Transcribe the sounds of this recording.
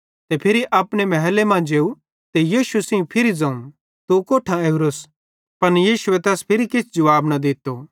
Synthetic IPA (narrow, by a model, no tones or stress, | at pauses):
t̪epʰɪɾiʔɐpɽ̃emɛɦɛlemãd͡ʒeːu | t̪ejiːʃusẽũpʰɪɾid͡zɐ̃ːũ | t̪ukoːʈʰãeɾos | pɐnjiːʃʊet̪ɛːspʰɪɾikɪt͡sʰd͡ʒɐʋaːbnɐd̪ɪt̪ːo